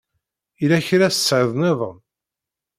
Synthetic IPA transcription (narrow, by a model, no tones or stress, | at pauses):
ilæçɾæssːʕðneðˤə̰m